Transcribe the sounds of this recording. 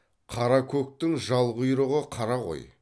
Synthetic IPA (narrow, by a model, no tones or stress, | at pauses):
qʰɑɾɑkʲʰɵk̚t̪ɪŋʒɑlˠʁʊjɾəʁəqʰɑɾɑʁo̞̰j